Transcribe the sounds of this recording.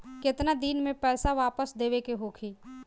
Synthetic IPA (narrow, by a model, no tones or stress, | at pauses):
kɪt̪nad̪inmẽpɛːsaʋaːpəsd̪eːʋekeɦoːkʰiː